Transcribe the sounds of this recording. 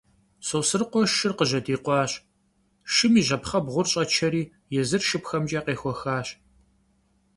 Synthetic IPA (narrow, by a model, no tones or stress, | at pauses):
sowsɨrqʷɔʃʃɨrqəʑɐdiːqʷɑːɕ | ʃɨmiːʑɐpχɐbʁʷʊrɕʼɐt͡ʃʰɐɾiː | jɛzɨrʃɨpxɐmt͡ʃʼaːqeːxʷɔxaːɕ